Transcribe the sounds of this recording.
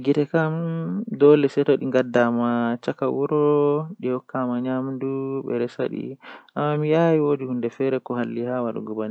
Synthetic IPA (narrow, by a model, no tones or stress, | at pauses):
ɡitɛkamdɔlɛsɛtɔɗiŋɡadamat͡ʃakawuɾɔɗihɔkʰːamaɲamduɓɛ̰ɾɛsa̰ɗḭʔa̰mːamijajiwodihundɛfɛɾɛkɔɦalːihawaɗṵɡɔbani